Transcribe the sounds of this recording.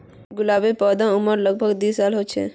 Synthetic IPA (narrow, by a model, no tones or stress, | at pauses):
ɡulabepɔd̪ə̃uməɾləɡ̚bʱəɡd̪isːalɦot͡ʃʰɛ̰